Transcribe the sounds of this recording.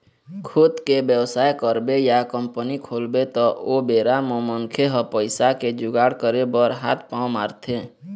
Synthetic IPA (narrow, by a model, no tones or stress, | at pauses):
kʰʊd̪kebjəwsaːekəɾbejakəmpənikʰoːlbet̪ɔʔobeːɾamɔ̃məŋkʰeɦəpəɪsaked͡ʒʊɡaːɽkəɾebəɾɦa̰ːt̪̚ʰpãmaːɾt̪ʰe